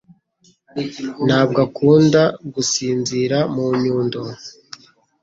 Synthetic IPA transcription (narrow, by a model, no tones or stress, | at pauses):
n̥haːb̚ɡakuːndaɡusiːnziɾamuɲuːndo